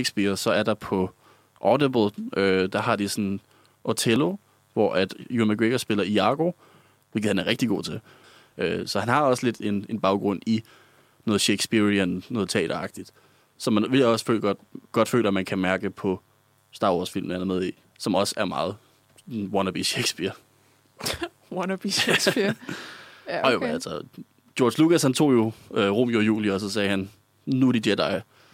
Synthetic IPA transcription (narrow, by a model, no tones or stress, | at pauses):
eɡ̥sb̥iɐsɒ̽æɐd̥ɑ̈pʰɒ̽ | ʔɒːdeb̥l̩ˠʔød̥ɑ̈hɑ̈d̥isɒn | ʔot͡sʰelo̝ | ʋɒ̰ʔæd̥jumæɡ̥ʁeɡ̥ɐsb̥e̝lɐiɑ̈ːɡ̥o̝ | ʋe̝lɡð̩ˠhænæɐʁɛɡ̥̚d̥iɡ̥o̝̰ːt͡sʰe̝l | øsɒ̽hænhɑ̈ɒ̽sle̝d̥e̝ne̝nb̥ɑ̈ʊɡ̥ʁɔ̽n̰i | nɔ̽ːð̩ˠɕeɡ̥sb̥iɐiænnːɔ̽ːð̞̩ˠt͡sʰɛ̰ːd̥ɐɑ̈ɡ̥̚d̥id̥ | sɒ̽mænʋe̝ljɒ̽sfø̰ːlɡ̥ɒd̥ɡ̥ɒ̽d̥fø̰ːlɐæmænkʰæmæɐɡ̥əpʰɒ̽ | sd̥ɑ̈ːwɒːsfil̰mn̩hænæɐmeð̞ˠi | sɒ̽mɒ̽sæɐmɑ̈ːð̞̩ˠ | wɒnɐb̥iɕeɡ̥sb̥iɐ | wɔnb̥isi | oælsɒ | d̥jɔːd̥slukæshænt͡sʰo̝̰ːjo̝øʁɔm̰jojṵːliɒ̽sɒ̽sɛːhæn | nuɾ̥id̥eɐ̰d̥ɑ̈ɪ